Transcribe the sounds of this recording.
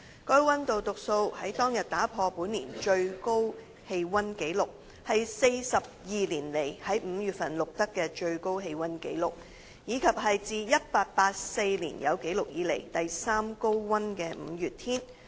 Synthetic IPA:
kɔː˥jwɐ˥nt̪o˨wt̪ʊ˨k̚so˧whɐ˨˥jt̪ɔː˥ŋjɐ˨t̚t̪aː˨˥pʰɔː˧puː˨˥nlḭː˨˩nt͡ʃɵ˧ɥko˥w | he˧jwɐ˥nke˨˥jlʊ˨k̚ | hɐ˨jse˧jsɐ˨p̚jiː˨liː˨˩nle˨˩jhɐ˨˥jm̩˨˧jyː˨˩t̚fɐ˨˩nlʊ˨k̚t̪ɐ˥kːɛː˧t͡ʃɵ˧ɥko˥wɦe˧jwɐ˥nkḛ˨˥jlʊ˨k̚ | jiː˨˧kʰɐ˨p̚hɐ˨jt͡siː˨˧jɐ˥t̚paː˧t̚paː˧t̚se˧jlḭː˨˩njɐ̰˨˧wke˨˥jlʊ˨k̚jiː˨˥le˨˩jt̪ɐ˨jsaː˥mko˥wwɐ˥nkɛː˧m̩˨˧jyː˨t̚t̪ʰiː˥n

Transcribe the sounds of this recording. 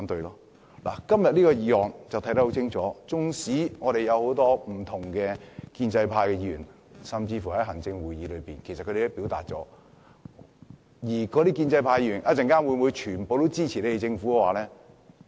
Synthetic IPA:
a˨˥nt̪ɵ˧ɥlɔː˥ | la̰ː˨˩kɐ˥mjɐ˨t̚liː˥kɔː˧jiː˨˧hɔː˨ŋt͡sɐ˨wt̪ʰɐ˥jt̪ɐ˥ho˨˥wt͡sʰɪ˥ŋt͡sʰɔː˨˥t͡sʊ˥ŋsiː˨˥ŋɔ˨˧ɾe˨jɐ˨˧who˨˥wt̪ɔː˥m̩˨˩t̪ʰʊ˨˩ŋkɛː˧kiː˧nt͡sɐ˧jpʰaː˧jkɛ˧jiː˧y̰ː˨˩n | sɐ˨mt͡siː˧fu˨˩hɐ˨˥jɦɐ˨˩ŋt͡sɪ˧ŋwuː˨jiː˨˧lɵ˨˧ɥpiː˨nkʰsɐ˨kʰːɵ˧e˨ɪ˥pi˨˥wt̪a̰ː˨t̚t͡sɔ̰ː˨˥ | jiː˨˩kɔ˨˧t̪iː˦˥kiː˧nt͡sɐ˧jpʰaː˧jiː˧ɥy˨˩nʔa˧˥t͡sɪ˨˩ŋkaː˥nwu˨˧jmuː˨˧jt͡ʃʰyː˨˩npo˨wt̪o˥wt͡siː˥t͡sʰi˨le˨˥te˨t͡sɪ˧ŋfuː˨˥kɛ˧waː˨˧lɛː˥

